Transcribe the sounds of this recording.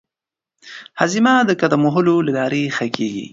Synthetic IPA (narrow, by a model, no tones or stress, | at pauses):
hazimad̪əkad̪amʊɦʊlolɪlɑɾexəkeɡḭ